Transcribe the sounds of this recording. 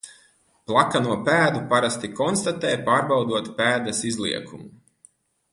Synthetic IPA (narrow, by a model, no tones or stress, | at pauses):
plˠakanuɔpæːd̪upaɾast̪ikɔnst̪at̪ɛːjpaːɾbawd̪uɔt̪pæːd̪ɐsizlˠḭɛkʰumu